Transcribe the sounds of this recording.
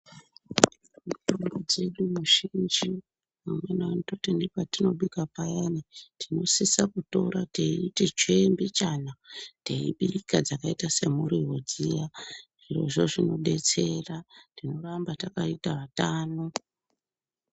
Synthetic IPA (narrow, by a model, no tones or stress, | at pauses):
mutomɡod͡ze̞ɗumuʃind͡ʒi | mumwenewanototendekwatino̞ɓikapajanitʰino̞sisakuto̞ɾateitit͡ʃembit͡ʃanateḭɓikad͡zakaitase̞muɾiɦod͡zijaʐiro̞̰ʐo̞ʐino̞ɓe̞t͡se̞ratino̞rambatakaitaʋataːno